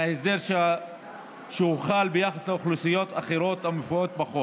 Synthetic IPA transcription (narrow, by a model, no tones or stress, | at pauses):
ahezd̪eʁʃ | ʃehuχalbejaχasleoχlusijo̞t̪aχeɾo̞t̪amefuot̪̚baχo